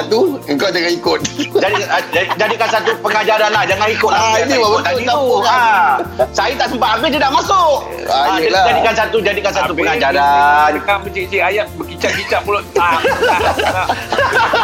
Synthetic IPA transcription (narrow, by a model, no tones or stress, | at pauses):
t̪uəŋkawd͡ʒaŋaikʊt̪̚d͡ʒadid͡ʒadikansat̪upəŋad͡ʒaɾanlahd͡ʒaŋanikʊt̪lainibawat̪at̪aua | sajit̪aʔsəmpat̪apɪt̪idaʔmasʊk | alad͡ʒadikansat̪ud͡ʒadikansaupəŋad͡ʒaɾakapət͡ʃit͡ʃiajat̪̚bəkit͡ʃaʔ̚kit͡ʃaʔ̚mulʊaaa